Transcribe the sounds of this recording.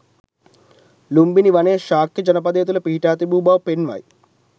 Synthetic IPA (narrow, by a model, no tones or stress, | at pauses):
lumbiniʋɐneːʃaːkːid͡ʒɐnɐpɐd̪eːt̪̬ulɐpiɦiʈaːt̪ibuːbaːwpenʋɐ̰j